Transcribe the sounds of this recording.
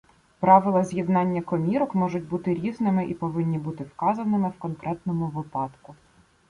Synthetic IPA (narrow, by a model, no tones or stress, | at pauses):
pɾɑʋɪlˠɐzʲjid̪nɑnʲːɐkɔmʲiɾɔkmɔʐʊt̚ʲbut̪ɪɾʲiznɪmɪʔipɔʋɪnʲːibut̪ɪwkɑzɐnɪmɪwkɔnkɾʔɛt̪nɔmʊʋɪpɑt̪kʊ